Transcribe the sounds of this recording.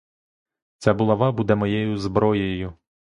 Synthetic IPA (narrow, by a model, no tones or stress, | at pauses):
t͡sʲɑbʊlˠɐʋɑbud̪ɛmɔjɛjʊzbɾɔjejʊ